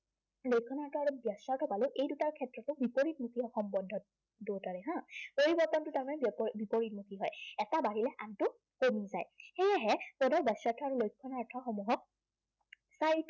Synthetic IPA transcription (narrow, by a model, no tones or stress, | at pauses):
lojkʰːɔnatʰɔaɹubjasaɹtʰɔpalʊʔejdutaɹkʰɛtɹɔtʊbipoɹitmutiɔxɔmbɔdʱːɔt̚ | dotaɹɛɦãpoɹibɔɹtɔntʊtaɹmanɛbipoɹit̚mutʰiɦɔjɛtabaɦilɛʔantʊ | koniza̰jxejaɦɛpɔdʱɔbasatʰɔaɹulojkʰːɔnaɹtʰɔxɔmuɦɔk̚ | sajt